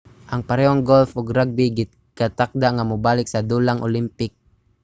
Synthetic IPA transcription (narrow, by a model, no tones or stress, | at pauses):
ʔaŋpaɾɛɔŋɡɔlfɔɡɾaɡ̚biɡi | kat̪ak̚d̪aŋamubalɪk̚sad̪ulaŋʔɔ̰limpɪk̚